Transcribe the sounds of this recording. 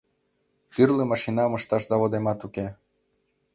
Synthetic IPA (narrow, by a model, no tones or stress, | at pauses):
kyrlemɑʃinɑmɤʃt̪ɑʃzɑβod̪emɑt̪uke